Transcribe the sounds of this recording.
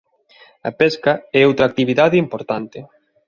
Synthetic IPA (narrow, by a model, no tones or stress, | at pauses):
ɐ̰pɛskɐɛowt̪ɾak̚t̪iβiðaðɪimpoɾt̪ant̪ɪ